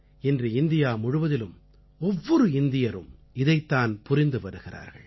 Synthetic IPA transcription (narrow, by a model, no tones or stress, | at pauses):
ɪndrɯɪnd̪ɪjaːmʊɻɯʋɐðɪlɯm | ɔʋːɔɾɯɪnd̪ɪjɐɾɯ̰m | ɪðɐɪt̪ːaːnpʊrɪnd̪ɯpɐɽɯɣɪra̰ːɾɣɐ̰ɭ